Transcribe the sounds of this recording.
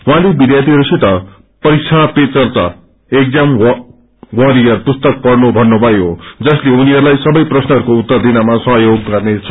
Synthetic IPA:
wɦãlebid̪jat̪iɦʌɾusit̪ʌ | pʌɾik̚t͡sʰaɽ̃pet͡sʌrt̪ʌ | ek̚d͡zam | wʌɾiʌrpust̪ʌk̚pʌrnobʱʌnːobʱʌjɦod͡zʌsleuniɦʌɾulajsʌbʌjprʌsnʌɦʌɾukout̪ːʌrd̪inamasʌ̃ɦjoɡ̚kʌrnet͡sʰ

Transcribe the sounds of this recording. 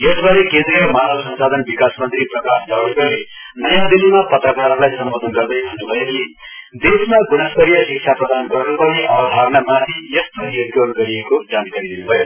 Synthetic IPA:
jʌsbʱaɾekẽnd̪riʌmanʌlsʌnsad̪ʱʌnbikasmʌnt̪riprʌkasnʌɽekole | nʌjãd̪ilimapʌt̪rʌkaɾʌlajsʌmbod̪ʱʌnɡʌrd̪ʌjɦʌnubʱʌjeki | d̪esmaɡunasɡʌɾijʌsik̚t͡ʃʰaprʌd̪anɡʌrnupʌneʔʌbʱabnamat̪ʰijʌst̪ʌɾiʌkorɡʌɾiekod͡zankaɾid̪inubʱʌjo

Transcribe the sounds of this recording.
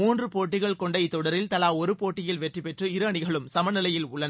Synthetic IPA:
muːndrɯpoːʈːɪɣɐɭkɔɳɖɐɪt̪ːɔɽɐɾɪlt̪ɐlaːɔɾɯpoːʈːɪjɪlʋɛʈripɛʈrɯɪɾɐːɳɪɣɐɭɯmsɐmɐnɪlɐjɪlʊɭːɐn

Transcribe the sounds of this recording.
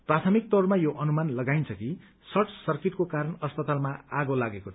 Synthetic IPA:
prat̪ʰʌmik̚t̪ʌrmajoʔʌnumanlʌɡajnt͡sʰʌki | sʌrʈʰsʌrkiʈkokaɾʌnʌspʌt̪almaaɡolaɡeko

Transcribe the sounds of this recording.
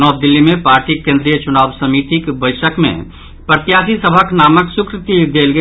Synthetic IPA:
nɔːb̚d̪ɪlːimẽpaːɾʈikẽːnd̪ɾijət͡ʃʊnaːwsɐmiːt̪ikbəɪʃəkmḛ̃ | pɾət̪jaːsisəbʱaknaːməksʊkɾɪt̪id̪eːlɡə

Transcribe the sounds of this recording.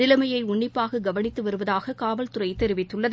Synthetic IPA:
ɪlɐmɐjɐɪʊɳːɪpːaːɣɐɡɐʋɐnɪt̪ːɯʋɐɾɯʋɐðaːɣɐkaːʋɐlt̪ʊrɐɪt̪ːɛɾɪʋɪt̪ːɯɭːɐð

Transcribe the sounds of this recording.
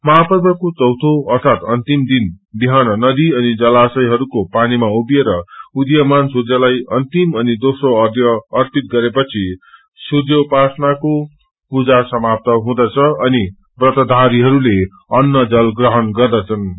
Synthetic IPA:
mʌɦapʌrbʌkot͡sʌwt̪ʰoʌrt̪ʰat̪ʌnt̪imd̪in | biɦanʌnʌd̪iʌnid͡zʌlasʌjɦʌɾukopanimaubieɾʌud̪jʌmansudjʌlajʌnt̪imʌnid̪osroʌrd̪ʱjʌːrpit̪̚ɡʌɾepʌt͡sʰi | sudjʌpasnako | pud͡zasʌmap̚t̪ʌɦũd̪ʌt͡sʰʌʌni | brʌt̪ʌd̪ʱaɾiɦʌɾule | ʌnːʌd͡zʌlɡrʌɦʌnɡʌrd̪ʌt͡sʰʌn

